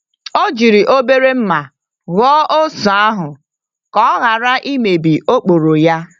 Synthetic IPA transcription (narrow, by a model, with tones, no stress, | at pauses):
o˦d͡ʒi˨ɾi˨ʔo˦be˦ɾe˦m̩˦ma˨ | ɣɔ˦ʔo˦sa˨a˦ɦʊ˨ | kɔ˦ɣa˨ɾa˦ʔi˦me˨bi˨ʔo˦k͡po˨ɾo˨ja˦